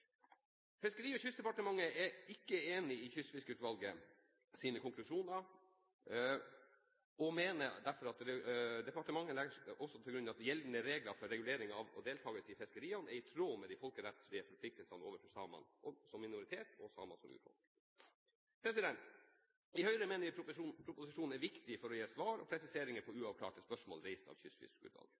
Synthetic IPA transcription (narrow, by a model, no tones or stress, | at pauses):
fɛskəɾiːɔçʏst̪d̪ɛpɑʈəmɑŋːəʔɛɪkːəeːnɪɪçʏst̪fɪskʉːt̪ʋɑlɡə | siːnəkʊŋklʉʂuːnɑɾ | ɔmeːnəd̪æɾfɔɾɑt̪ɾɛd̪ɛpɑʈəmɑŋːəlɛɡəʂɔsɔt̪ʰɪlɡɾʉnɑʋɑt̪jɛlnəɾeːɡlɑɾfɔɾːɛɡʉleːɾɪŋɑʋɔ̰d̪eːlt̪ʰɑːɡəsɪfɛskəɾiːɑnɛɾɪt̪ʰɾoːmɛd̪iɪfɔlkəɾɛt̪sɭɪəfɔɾpʰlɪk̚t̪əlsɑnəoːʋəfɔsɑːmɑ̰nɔsɔmːɪnʊɾɪt̪ʰeːt̪ʰɔsɑ̰ːmɑsɔmʔʉ̰ːt̪fɔ̰lk | pʰɾɛsɪd̪ɛnt̪ | ɪhœʏɾəmeːnəʋɪpʰɾʊpʊsɪʂuːnn̩ɛɾʋɪkt̪ɪfɔɾɔjeːsʋɑːɾɔ̰pʰɾɛsɪseːɾɪŋəpʰɔʉːɑʋkʰlɑ̰ːʈəspœʂmo̰ːlɾɛɪst̪ɑ̰ʋçʏsfʏ̰skʉ̰d̪lɑ̰ːlɡ